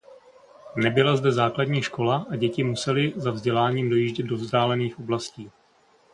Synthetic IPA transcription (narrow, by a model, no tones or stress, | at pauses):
nɛbɪlazdɛzaːkladɲiːʃko̞laʔaɟɛcɪmusɛlɪzavzɟɛlaːɲiːmdo̞jiːʒɟɛd̪̚do̞vzdaːlɛniːxʔo̞blasciː